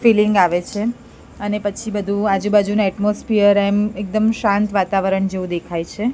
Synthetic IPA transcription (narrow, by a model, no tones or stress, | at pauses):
filiŋɡaʋet͡ʃʰe | ənepət͡ʃʰibəd̪ʱũad͡ʒubad͡ʒunuɛʈmosfiəɾemek̚d̪əmʃãnt̪ʋat̪aʋəɾəɳd͡ʒeʋũd̪ekʰajt͡ʃʰe